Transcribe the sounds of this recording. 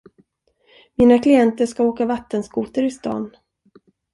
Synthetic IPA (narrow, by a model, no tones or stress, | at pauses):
miːnakʰlɪɛnt̪əʂkaoːkavat̪ːənskuːt̪əɾɪst̪ɑ̰ːn